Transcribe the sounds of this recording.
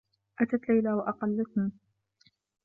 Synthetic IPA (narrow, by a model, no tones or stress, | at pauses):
ʔat̪at̪lajlawaʔɑqɑlːat̪na